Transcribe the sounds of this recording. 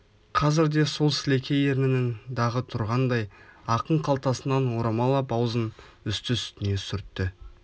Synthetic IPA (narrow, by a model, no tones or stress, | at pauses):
qʰɑzɪɾd̪e̞so̞lˠsɪlekʲʰe̞jeɾmɪnɪŋd̪ɑʁət̪ʰʊɾʁɑnd̪ɑjɑqəɴqʰɑlˠt̪ɑsənɑnwo̞ɾɑmɑlˠɑbɑwzən | ʏst̪ɪsʏ̥t̪ɪne̞sʏɾt̪ːɪ